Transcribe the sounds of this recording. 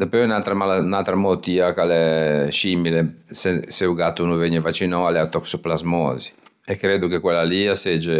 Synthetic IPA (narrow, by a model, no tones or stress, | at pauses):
d̪apønalt̪ɾamalanalt̪ɾamot̪iːakalɛʃimilesɛseuɡat̪ːunuveɲɛvat͡ʃːinɔalɛat̪ɔksuplazmɔ̰ːziɛkːɾed̪ukekwɛlːaliasɛd͡ʒe